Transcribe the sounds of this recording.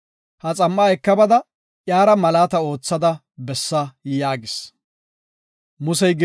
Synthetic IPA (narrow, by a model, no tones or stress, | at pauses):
hɐt͡sʼɐmːɐɛkːɐbɐd̪ɐ | ʔjaːɾɐmɐlaːt̪ɐo̞ːt͡sːɐd̪ɐ | bɛsːɐjaːɡɪs | mʊsɛjɡɛ